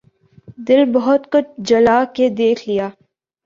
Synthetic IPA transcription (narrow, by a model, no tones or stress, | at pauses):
d̪ɪlbɐɦʊt̪kʊt͡ʃʰd͡ʒɐlaːked̪eːkʰlijaː